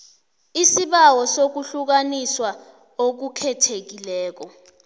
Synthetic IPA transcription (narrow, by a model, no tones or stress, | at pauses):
isiɓawɔsok̬uɬuk̬aniswa | ok̬ukʰɛtʰek̬ilɛːk̬ɔ